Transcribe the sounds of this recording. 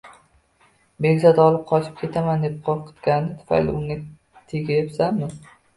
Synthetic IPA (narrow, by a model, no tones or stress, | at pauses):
be̞ɡʲzad̪ɒlˠɪp̚qʰɒt͡ʃʰɪ̥p̚kʲe̞t̪ʰamand̪e̞p̚qʰolˠqʰɨ̥t̪ɡʲannɪt̪ʰʊ̥fa̰jlɪ̰ʊŋa | t̪ʰeɡʲajepsamːɪ